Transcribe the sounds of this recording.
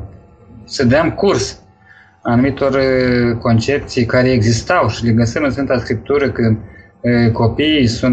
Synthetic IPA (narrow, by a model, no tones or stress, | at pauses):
səd̪əamkurs | anumit̪o̞rko̞nt͡ʃe̞p̚t̪sijkaɾe̞eɡzist̪awʃileɡəsəmɨnsfɨnt̪askɾip̚t̪uɾəkɨnd̪ | ko̞piːsun